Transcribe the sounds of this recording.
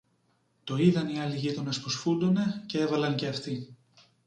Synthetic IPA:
t̪o̞iðɐniɐliʝit̪onɐsposfund̪o̞ne̞ce̞e̞vɐlɐnceɐft̪i

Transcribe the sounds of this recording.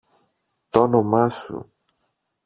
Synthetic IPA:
t̪onomasṵ

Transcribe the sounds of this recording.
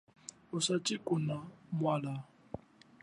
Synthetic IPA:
usat͡ʃʼikʼunamwala

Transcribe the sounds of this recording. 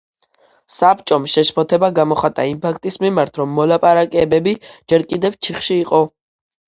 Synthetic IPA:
sapt͡ʃʼɔmʃɛʃpʰɔt̪ʰɛbaɡamɔχat̪ʼaimpʰak̚ʰt̪ʼismimaɾt̪ʰɾɔmːɔlapʼaɾakʼɛbɛbid͡ʒɛɾkʼid̪ɛvt͡ʃʰiχʃiːqʼɔ

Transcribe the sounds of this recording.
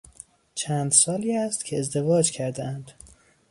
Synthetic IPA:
t͡ʃʰæːnd̪sɒːliːæst̪cʰeːzd̪e̞vɒːd͡ʒcʰæɾd̪eænd̪̥

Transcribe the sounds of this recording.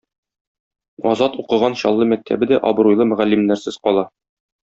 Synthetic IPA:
ɒzɑt̪uqɤ̆ʁɑnɕɒlˠːɤmæk̚t̪ʰæ̰bɘd̪æʔɒb̆ɾujlˠɤmɘ̆ʁælːimnæɾsɘz̥qɒlˠɑ

